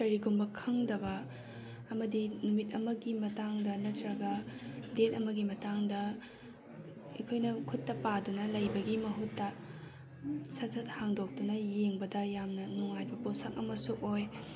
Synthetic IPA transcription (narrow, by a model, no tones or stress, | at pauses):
kɐɾiɡumbɐkʰɐŋdɐbɐː | mɐdinumit̚ɐmɐɡimɐtaŋdɐnɐtɾɐɡɐdet̚ɐmɐɡimɐtaŋdɐ | ɐ̰jkʰojnɐkʰutːɐpadunɐlɐjbɐɡimɐɦutːɐ | sɐsɐt̚haŋdok̚dunɐjeŋbɐdɐjamnɐnuŋajbɐposɐkɐmɐsuʔoj